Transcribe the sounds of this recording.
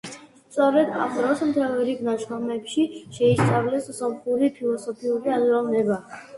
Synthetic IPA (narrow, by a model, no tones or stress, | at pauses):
st̪sʼɔɾɛd̪a̰vɾɔsmt̪ʰɾavɛɾiɡnaʃɔmɛpʃiʃɛissʼavlɛssɔmχuɾipʰilˠɔsɔpʰiuɾiazɾalnɛba